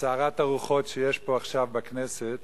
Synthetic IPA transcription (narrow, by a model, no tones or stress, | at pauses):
t͡saːʁataʁuχo̞tʃejeʃpo̞aχʃavbakneset̪